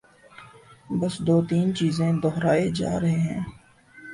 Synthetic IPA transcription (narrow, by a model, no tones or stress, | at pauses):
bəsd̪oːt̪iːnt͡ʃiːzẽd̪ɔɦɾaːed͡ʒa̰ːɾɐɦeɦɛ̃ː